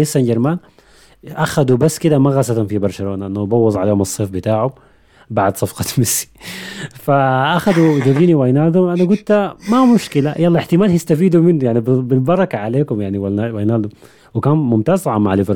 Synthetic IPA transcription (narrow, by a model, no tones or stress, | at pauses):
ɪsːand͡ʒɪɾmaːn | ʔaxad̪ubasːkɪd̪amaɣasat̪ʊmfibɑɾˤʃaloːnaʔɪnːahubɑwːɑzˤʕaleːhʊmɨsˤːeːfbɪt̪aːʕʊm | baʕd̪sˤɑfqɑt̪mɪsi̥ | faʔaxad̪ud͡ʒud̪iːniwajnaːld̪ʊmʔanaɡʊlt̪amamʊʃkɪlajɑlːɑʔɪħt̪ɪmaːlhjɪst̪afiːd̪umɪnːujaʕnibbɪlbɑɾˤɑkaʕaleːkʊmjaʕniwaawajnaːld̪ʊ | wɪkaːnmʊmt̪aːzʕamaʕlɪvɾ